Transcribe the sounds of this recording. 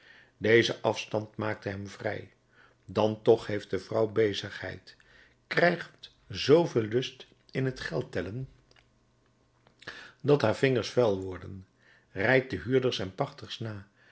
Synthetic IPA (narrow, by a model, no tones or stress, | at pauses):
dejzəʔɑfstɑntmaːk̚təɦɛmvrɛ̰j | dɑntɔχɦejft̚dəvrʌwbejzəχɦɛ̰jt | krɛjχt | zowvɪːlˠːɵst | ɪnɦətχɛlˠtɛlən | dɑtɦaːɹv̥ɪŋəɹsfɛlˠʋɔɹdən | rɛjk̚dəɦyːɹdəɹsɛnpɑχtəɹsnaː